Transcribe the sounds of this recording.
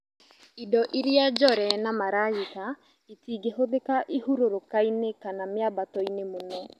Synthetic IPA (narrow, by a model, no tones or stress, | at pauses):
idɔʔiɾiad͡ʒɔɾɛnamaɾajika | etiːɡeɦoðekaʔihuɾoɾokainekanameabatɔinemonɔ